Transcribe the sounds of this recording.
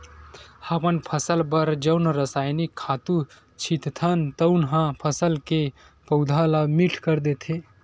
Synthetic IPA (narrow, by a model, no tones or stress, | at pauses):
həbənpʰəsəlbəɾd͡ʒəʊnɾəsaːjnikʰːat̪u | t͡ʃʰit̪t̪ʰənt̪əʊnɦãpʰəsəlke | pəʊd̪ʱalamiʈʰkəɾd̪et̪ʰe